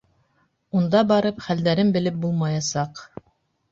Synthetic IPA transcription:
und̪ɑbɑɾɤpχæld̪æɾɘmbɘ̆lɘp̚bulˠmɑjɑsɑq

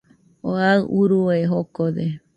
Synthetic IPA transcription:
oauɾuoeɦokod̪e

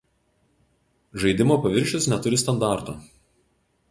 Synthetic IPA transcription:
ʒɐɪd̪ʲɪmoːpɐʋʲɪɾʲʃʲʊsnʲɛt̪ʊɾʲɪst̪ɐnd̪ɑˑɾt̪oː

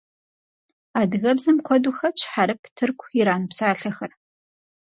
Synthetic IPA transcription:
aːdɨɣɐbzɐmkʷʰɔduxɐt͡ʃʰħaɾɨpʰtʰɨrkʷʰjɪɾaːnɨpsaːɬɐxɐr

